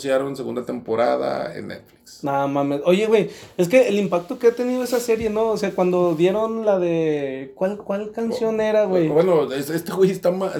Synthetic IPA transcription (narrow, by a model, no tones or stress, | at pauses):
sjaɾonseɣṵnd̪at̪empoɾa̰ða̰ḛnːḛt̪fli̥kssamãmesojeɣwejeskeːlimpak̚t̪okeat̪eniðoesaseɾjenoːseakwand̪oðjeɾonlaðekwalkwalkansjoneɾaɣwejbwenoesest̪eɣwist̪ama